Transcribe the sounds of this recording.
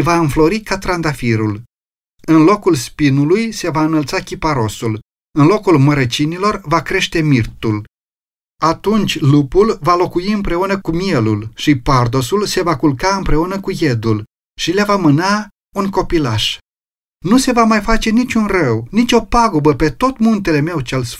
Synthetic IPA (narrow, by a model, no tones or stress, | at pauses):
vaɨnflo̞ɾikat̪ɾand̪afiɾul | ɨnlo̞kulspinulujse̞vaɨnəlt̪sakʲipaɾo̞sul | ɨnlo̞kulməɾet͡ʃinilo̞rvakɾe̞ʃt̪emirt̪ul | at̪unt͡ʃʲlupulvalo̞kujiɨmpɾe̞unəkumie̞lulʃipard̪o̞sulse̞vakulkaɨmpɾe̞unəkuje̞d̪ul | ʃilavamɨna | unko̞pilaʃ | nuse̞vamajfat͡ʃe̞nit͡ʃʲunrəwnit͡ʃʲo̞paɡubəpe̞t̪o̞t̪munt̪e̞le̞me̞wt͡ʃels